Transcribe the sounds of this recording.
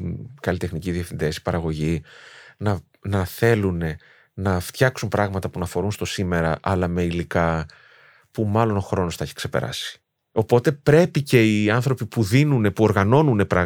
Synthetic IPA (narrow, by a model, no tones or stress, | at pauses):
kɐlit̪exniciðiefind̪esi̥pɐɾɐɣo̞ʝinɐ | nɐθe̞lune̞ | nɐft̪çɐksumpɾɐɣmɐt̪ɐpunɐfo̞ɾunst̪o̞sime̞ɾɐʔɐlɐme̞ilikɐ | pumɐlo̞no̞xɾo̞no̞sθeçi̥kse̞peɾɐ̰si̥ | o̞po̞t̪e̞pɾe̞pice̞iɐnθɾo̞pipuðinune̞puo̞ɾɣɐno̞nune̞pɾɐɣ